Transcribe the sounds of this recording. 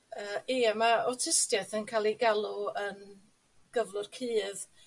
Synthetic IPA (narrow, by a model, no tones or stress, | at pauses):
əːʔiːamaɔtʰɪstjɛθənkʰalˠiɡalˠuən | ɡ̥əvlˠʊr̥kʰɨːð